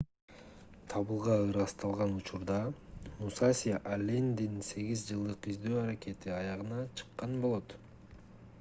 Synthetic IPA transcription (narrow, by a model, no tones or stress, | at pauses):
t̪ʰɑβɯlˠʁɑɯɾɑst̪ɑlˠʁɑnut͡ʃuɾd̪ɑmusasʲiʔalʲend̪inse̞ɡizd͡ʒɯlˠd̪ɯqizd̪øːɑɾake̞t̪iɑjɑʁɯnɑt͡ʃʰɯ̥qːɑnbo̞lˠo̞t̪